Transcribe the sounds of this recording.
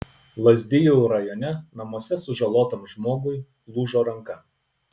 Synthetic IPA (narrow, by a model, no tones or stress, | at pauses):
lˠɐzʲd̪ʲɪjuːɾɐjɔnʲɛnɐmuɔsʲɛsʊʒɐlˠoːt̪ɐmʒmoːɡʊɪ | lˠuːʒoːɾɐŋkɐ